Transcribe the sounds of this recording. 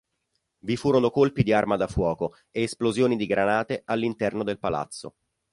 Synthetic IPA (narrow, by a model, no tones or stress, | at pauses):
vifuːɾonokolpid̪iarmad̪afwɔːko | eːsplozjoːnid̪iɡɾanaːt̪ealːint̪ɛrnod̪elpala̰t̪sːo̰